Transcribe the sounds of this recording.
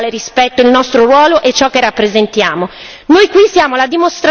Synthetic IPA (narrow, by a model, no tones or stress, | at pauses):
leɾispɛt̪ːoilnɔst̪ɾoɾwɔːloʔet͡ʃːɔkːerːapːɾezent̪jaːmo | nojkwisjaːmolad̪imost̪ɾa